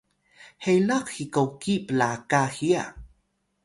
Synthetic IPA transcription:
hejlaqxikawkipəlakaxia̰

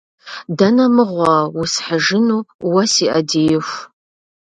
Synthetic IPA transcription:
dɐnɐmɨʁʷɑwʊsħəʒɪnuːwɐsiːʔɐdeːjɛfʷ

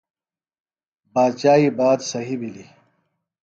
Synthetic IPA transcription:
baːd̪t͡ɕaːibaːd̪sɐɦibili

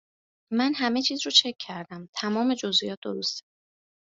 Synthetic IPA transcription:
mænɦæme̞t͡ʃʰiːzɾɔːt͡ʃʰe̞kʰːæɾd̪æmt̪ʰæmɒːme̞d͡ʒo̞zijɒːt̪̚d̪oɾost̪e

